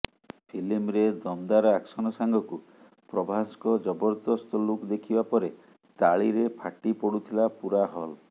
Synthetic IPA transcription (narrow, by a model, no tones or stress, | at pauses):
pʰilimɾed̪ɔmd̪aɾɔaksɔnɔsaŋɡɔku | pɾɔbʱaskɔd͡ʒɔbɔɾd̪ɔst̪ɔlukd̪ekʰibapɔɾe | t̪aɭiɾepʰaʈipɔɽut̪ʰilapuɾaɦɔl